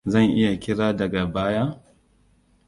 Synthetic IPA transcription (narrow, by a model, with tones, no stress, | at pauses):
zɐ˦˨ŋʔɪ˦ja˨kʲɪ˦ɽaː˦dɐ˨ɡa˨baː˦jaː˦